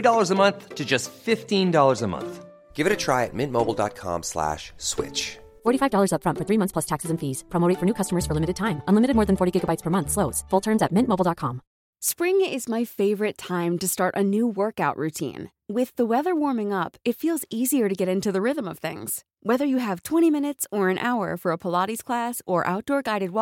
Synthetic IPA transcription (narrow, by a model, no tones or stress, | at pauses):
idɔlˠə˞zəmʌ̃nθtʰɨd͡ʒʌstfɪftĩndɔlˠə˞zəmʌ̰̃nθ | ɡ̥ɪvɨɾɨtʰɹ̥aɪɨ̰t̚mɪ̃nmoʊbl̩ˠdɑ̰t̚kʰɑ̰̃mslæ̰ʃswɪ̰t͡ʃ | fɔɹɾifaɪvdɔlˠə˞zʌpfɹʌ̃ntfə˞θɹimʌ̃θspʰl̥ʌstʰæksɨzɨ̃nfiz̥pʰɑmoʊɾifə˞nʉkʰʌstəmə˞z̥fə˞lɪ̃mɨɾɨd̚tʰãɪ̃mə̃nlɪ̃mɨɾɨd̚mɔɹðɨ̃nfɔɹɾiɡɪɡəbaɪtspʰə˞mʌ̃nθsloʊz̥fʊlˠtʰɜ̃˞mzɨt̚mɪ̃nmoʊbl̩ˠdɑt̚kʰɑ̃m | spɹɪ̃ŋɪzmaɪfeɪvə˞ɨtʰãɪ̃mtɨstɑɹɾʔɨnuwɜ˞kaʊʔɹʉtʰḭ̃n | wɪðəwɛðə˞wɔɹmɪ̃ŋʌpɨtfilˠziziə˞ɾɨɡɛɾɪ̃ntʉðɨɹɪðə̃mʌv̥θɪ̰̃ŋz̥ | wɛðə˞jɨːv̥tʰw̥ɛ̃ɾ̃imɪ̃ñɨtsə˞ɨ̃nʔa̰ʊə̰˞fə˞əpʰəlɑɾiz̥kʰl̥æsə˞ʔa̰ʊt̚d̥ɔɹɡaɪɾɨd̚w